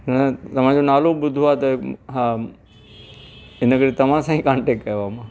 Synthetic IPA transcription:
nɐt̪ɐmãd͡ʒonaːlobʊd̪ʱʋat̪oɦ | enəɡəɾit̪ɐmãsãɦĩkãːɳʈekːɐjʋamã

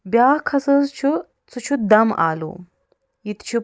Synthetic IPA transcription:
bjaːkʰɐsəzt͡ɕʰu | t͡sut͡ʃʰud̪ɐma̰ːlṵ | it̪t͡ʃʰu

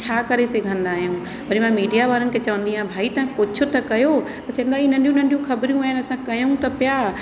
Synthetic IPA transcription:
t͡ɕʰaːkɐɾeseɡʱə̃nd̪aːɦijũ | bɐɾimãmiːɖijaʋaːɾənɪkʰet͡ɕɐʋə̃nd̪iaːbʱaːit̪ãkʊt͡ɕʰʊ̆t̪ɐkɐjo | t̪ɐt͡ɕɐ̃ɦə̃nd̪aːiɪn̤ɐ̃nɗijũn̤ɐ̃ɳɖijũxɐbɾjũaːɦɪnɐsãkɐjũt̪ɐpjaː

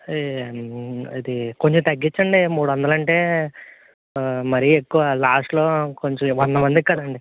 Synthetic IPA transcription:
id̪iko̞ɲt͡ʃomt̪ɐɡːit͡ʃːɐɳɖimuːɽuʋɐnd̪ɐlɐɳʈe̞ː | mɐɾiekːuʋɐlaːsʈlo̞ːkoɲt͡ʃõmʋɔnd̪ɐmɐnd̪ikʲːkɐd̪ɐɳɖi

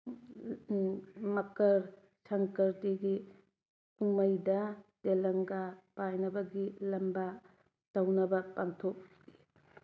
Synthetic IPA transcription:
mɐkɐɾ | sɐŋkɐɾtiɡi | umɐjdɐtelɐŋɡapajnɐbɐɡilɐmbɐ | tɐwnɐbɐpantʰok̚ | i

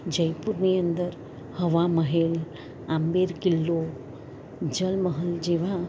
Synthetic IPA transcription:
d͡ʑəjpuɾnijənd̪əɾ | həʋaməɦel | ambeɾkilːo | d͡ʑəlməɦəld͡ʑeʋ̤a

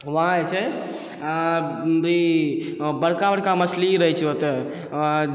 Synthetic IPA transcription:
ʋəɦãet͡ʃʰɛ | bi | bəɽkabəɽkaməsliɾəɦɛt͡ʃʰot̪ɛ

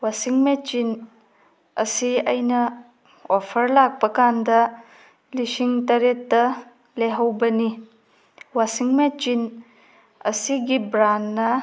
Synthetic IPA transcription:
wasiŋmet͡ʃin | ɐsiɐjnɐ | ɔpʰɐɾlak̚pɐkandɐ | lisiŋtɐɾetːɐ | leɦɐwbɐni | wasiŋmet͡ʃin | ɐsiɡibɾanːɐ

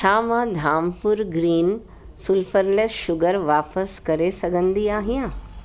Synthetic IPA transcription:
t͡ʃʰaːmãd̪ʱaːmpʊɾɡɾiːn | sʊlfʰəɾleʃʊɡəɾʋaːpəskɐɾesɐɡʱə̃nd̪iaːɦijãː

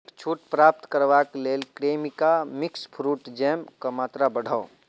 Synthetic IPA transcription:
t͡ʃʰuːʈpɾaːp̚t̪kəɾʋakleːlkɾeːmikamɪkspʰɾuːʈd͡ʒɛːmkamaːt̪ɾabəɽ̤ʱao

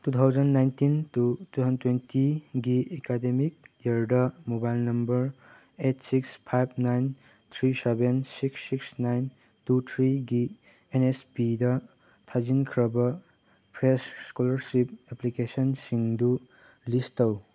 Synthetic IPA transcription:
tut̪ʰawd͡ʒɐnːajntintutuɦʌntwentʰiɡiekademik̚jaɾdɐmobajlnɐmbɐɾ | etsikspʰajb̚ʰnajn | t̪ʰɾisebensiksːiksnajn | tut̪ʰɾiɡi | enespidɐ | tʰad͡ʒinkʰɾɐbɐ | pʰɾesskɔlɐɾsip̚eplikesɔnsiŋdu | listɐw

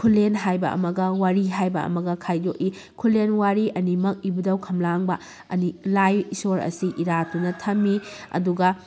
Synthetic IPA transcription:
kʰulːenɦajbɐʔɐ̰mɐɡɐwaɾiɦajbɐɐ̰mɐɡɐkʰajdoki | kʰulːenwaɾiʔɐnimɐk̚ibudɐwkʰɐmlaŋbɐ | ɐ̰nilajisoɾɐ̰siʔiɾatunɐtʰɐmːiɐ̰duɡɐ

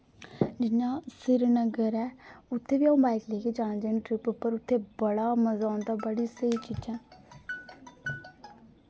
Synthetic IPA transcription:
d͡ʒɪnjãːsɪɾnəɡəɾɛːʊt̪ʰːeːʋiːaũːbaːɪkleːkeːd͡ʒaːd͡ʒeɳʈɾɪpʊpːəɾʊt̪ʰːeːbəɽaːməzaːʊ̃nd̪aːbəɽiːsəiːt͡ʃiːd͡ʒãː

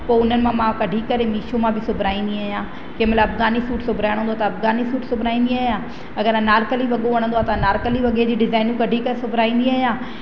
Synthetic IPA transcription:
poːʊn̤ənɪ̆mãmãkɐɖʱikɐɾemiːʃomãbʱɪsʊbʱɾaːĩnd̪iaːjãː | kẽːməlaɐbɡaːnisuːʈsʊbʱɾaːɪɽ̃nd̪oaːt̪ɐɐfɡaːnisuːʈsʊbʱɾaːĩnd̪iaːɦijãː | ɐɡəɾãnaːɾkəliʋɐɠoʋɐɽ̃ə̃nd̪oaːt̪ɐnaːɾkəliʋɐɠed͡ʑiːɖɪzaːɪnũkɐɖʱikɐɾesʊbʱɾaːĩnd̪iaːjãː

